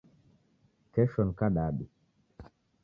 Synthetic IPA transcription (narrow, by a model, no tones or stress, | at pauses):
kɛʃɔnkaɗaɗi